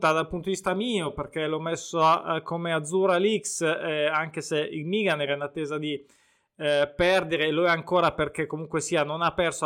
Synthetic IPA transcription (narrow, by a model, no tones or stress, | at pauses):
t̪ad̪alpunt̪ovist̪amiːoperk̟elomesːoakomead̪zːuɾaliksaŋk̟eseilmiɡanɛɾɛinat̪ːɛːzad̪i | pɛrd̪eɾeloɛaŋkoːɾaperk̟ekːomuŋkwesiːanonapɛrso